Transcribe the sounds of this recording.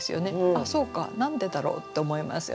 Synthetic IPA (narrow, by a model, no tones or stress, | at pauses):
sɨjo̞̰ne̞aso̞ːka̰nãnd̪e̞d̪aɾo̞̰ːt̪ːe̞omo̞ima̰sɨ̰jo